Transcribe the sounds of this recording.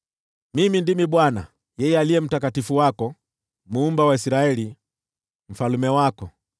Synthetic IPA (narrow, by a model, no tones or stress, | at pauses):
mimindimiɓwana | jɛjɛaliɛm̩takatifuwakɔ | muːmbawaisiɾaɛli | m̩falumɛwakɔ